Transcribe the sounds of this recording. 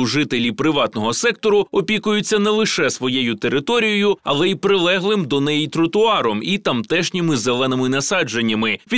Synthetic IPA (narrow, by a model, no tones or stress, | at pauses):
ʒɪt̪elʲipɾɪʋɑt̪nɔɦɔsɛk̚t̪ɔɾʊɔpʲikʊjʊt͡sʲːɐnɛlˠɪʃɛsʋɔjejʊt̪eɾɪt̪ɔɾʲijɔjʊɐ̰lˠɛipɾɪlˠɛɦlˠɪmd̪ɔnɛjit̪ɾʊt̪ʊɑɾɔmit̪ɐmt̪ɛʃnʲimɪzelˠɛnɪmɪnɐsɑd͡ʒe̞nʲːɐmɪʋʲi